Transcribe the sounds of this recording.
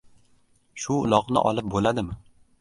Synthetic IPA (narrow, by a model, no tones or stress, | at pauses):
ʃʊʊlˠɒqnɪ̰ʔɒ̰lˠɪp̚bolad̪ɪmɪ